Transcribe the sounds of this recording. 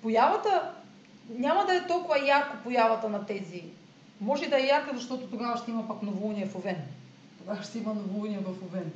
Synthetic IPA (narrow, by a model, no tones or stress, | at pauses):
pojavɐt̪ɐ | ɲʲamɐd̪ɐɛt̪ɔlˠkʊvɐjaɾkopojavɐt̪anat̪ɛzi | mɔʒɛd̪ɐɛjaɾkəzɐʃt̪ɔt̪ot̪oɡavɐʃt̪ɛimɐpaknovouniɛfovɛn | t̪oɡavɐʃt̪ɛimɐnovouniɛvɐfovɛn